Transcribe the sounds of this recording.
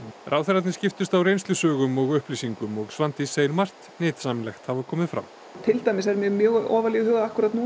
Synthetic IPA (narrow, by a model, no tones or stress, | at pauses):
rʔaːwθɛɾat̪nɪscɪft̪ʏst̪awrejnst̪lʏsœːɣʏmɔɣʏhplisiŋkʏmɔɣsvant̪iseːjɪnmar̥t̪nɪːt̪saːmɪnlɛxt̪havakʰɔːmɪðfɾa̰wm | t̪ʰɪlt̪ajmɪsɛɾmjɛɣmjœːɣɔːvaliɣhœːɣaahkuɾat̪nu